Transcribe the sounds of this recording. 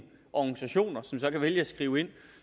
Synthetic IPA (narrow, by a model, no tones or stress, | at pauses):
ʔɒɡ̥ŋ̩sæɕo̝̰ːnɐsɒ̽msɒ̽kʰæʋeljəæsɡ̥ʁiːʊe̝n̰